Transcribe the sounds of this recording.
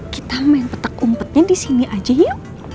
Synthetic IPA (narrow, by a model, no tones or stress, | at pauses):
kit̪amanpət̪əkumpət̪̚ɲadisiniʔad͡ʒajʊ